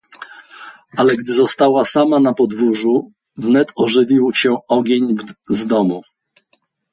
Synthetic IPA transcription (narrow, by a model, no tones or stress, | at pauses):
ʔalɛɡd̪ɘzɔst̪awasamanapɔd̪vuʐu | vnɛt̪ɔʐɘvʲiwɕɛɔɡʲeɲzd̪ɔmu